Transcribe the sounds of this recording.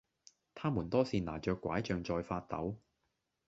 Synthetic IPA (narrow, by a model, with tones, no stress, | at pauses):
t̪ʰaː˥muː˨˩nt̪ɔː˥siː˨˩naː˨˩t͡ʃœː˨˧kːʷa̰ː˨˥jt͡ʃœː˧ŋt͡sɔː˧jfaː˧t̚t̪ɐ̰˨˥w